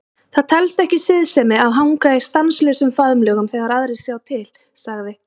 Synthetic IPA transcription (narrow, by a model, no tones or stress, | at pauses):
θaðt̪ʰɛlst̪ɛhcɪsɪðsɛmɪaðɦawŋkast̪anslœsʏmfaðʏmlœɣʏmθɛɣaɾaðɾejsjaːwt̪ʰɪl | saɣðɪ